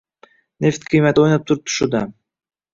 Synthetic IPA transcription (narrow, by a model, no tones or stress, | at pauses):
nʲeft̪kʰijmat̪o̞jnop̚t̪ʰuɾup̚t̪ʰu̥ʃṵd̪ɑ